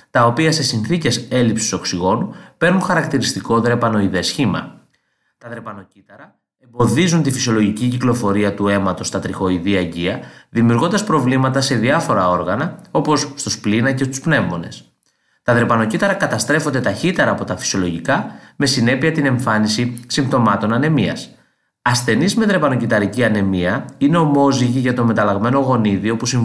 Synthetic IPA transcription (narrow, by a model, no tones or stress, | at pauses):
t̪ɐopiɐse̞sinθice̞se̞lipsi̥so̞ksiɣo̞nupe̞ɾnuŋxɐɾɐkt̪iɾist̪iko̞ðɾe̞pɐno̞iðe̞sçimɐ̰ | t̪ɐðɾe̞pɐno̞cit̪ɐɾɐ | embo̞ðizunt̪ifisio̞lo̞ʝiciciklo̞fo̞ɾiɐt̪ue̞mɐt̪o̞st̪ɐt̪ɾixo̞iðiɐɟiɐðimiuɾɣo̞nd̪ɐspɾo̞vlimɐt̪ɐse̞ðiɐfo̞ɾɐo̞ɾɣɐnɐo̞po̞sːt̪osplinɐce̞st̪u̥spne̞vo̞ne̞̰s | t̪ɐðɾe̞pɐno̞cit̪ɐɾɐkɐt̪ɐst̪ɾe̞fo̞nd̪e̞t̪ɐçit̪e̞ɾɐːpo̞t̪ɐfi̥sio̞lo̞ʝikɐme̞sine̞piɐt̪ine̞ɱfɐnisisimt̪o̞mɐt̪o̞nɐne̞miɐ̰s | ɐsθe̞nizme̞ðɾe̞pɐno̞cit̪ɐɾiciɐne̞miɐine̞o̞mo̞ziʝiʝɐt̪o̞me̞t̪ɐlɐɣme̞no̞ɣo̞niðio̞pusi